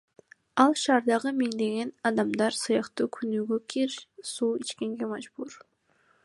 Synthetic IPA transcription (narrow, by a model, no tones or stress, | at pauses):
ɑlˠʃɑːɾd̪ɑʁɯmiŋd̪e̞ɡe̞nɑd̪ɑmd̪ɑɾsɯjɑqt̪uːkʲʰynyːɡøkʲʰiɾsuːit͡ʃke̞ŋɡe̞mɑd͡ʒbuɾ